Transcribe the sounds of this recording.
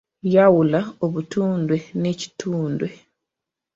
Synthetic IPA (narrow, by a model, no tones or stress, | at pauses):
jawulaoβutuːndwe̞neci̥tʰuːndwe̞